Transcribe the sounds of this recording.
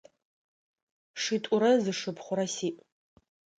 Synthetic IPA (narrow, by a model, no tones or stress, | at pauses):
ʂitʷʼʊɾɐzɨʂɨpʰχʷʊɾɐsiːʔʼ